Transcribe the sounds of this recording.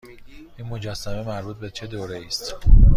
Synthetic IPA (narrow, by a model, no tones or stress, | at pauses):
ʔiːnmo̞d͡ʒæsːæme̞mæɾbuːt̪̚bet͡ʃʰe̞d̪oːɾeiːst̪